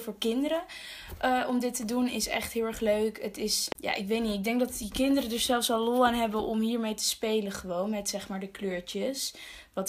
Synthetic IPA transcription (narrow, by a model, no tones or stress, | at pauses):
fʊːɹkɪndəɾə | ʔəʔɔmdɪtədunɪsɛ̰χtɦɪːlˠɛɹχløɥkətɪsja̰ːʔɪkʋejtniɪɡ̚dɛŋɡ̚dɑtdikɪndərədəɹzɛlˠfsɑllɔaːnɦɛbənʔɔmɦiːɹmejtə̥spejləχəʋownmɛtsɛχmaːɹdəkløːɹt͡ʃəs | ʋɑt